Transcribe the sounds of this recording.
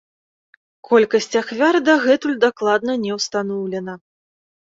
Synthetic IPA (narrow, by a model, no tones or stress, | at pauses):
kʰɔlʲkɐsʲt͡sʲaxvʲard̪ɐɣɛt̪ulʲd̪aklˠad̪nɐnʲɛwst̪anɔwlʲɛnɐ